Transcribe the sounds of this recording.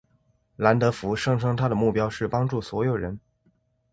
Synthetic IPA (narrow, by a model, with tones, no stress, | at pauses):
la˧˥nt̪ɤ˧˥fu˧˥ʂɤ˥˧ŋʈ͡ʂʰɤ˥ŋt̪ʰa˥d̪ə˨mu˥˩pjɑ˥ʊʂɻ̩˥˩pɑ˥ŋʈ͡ʂu˥˩swɔ˧˥jo˨˩ʊɻə˧˥n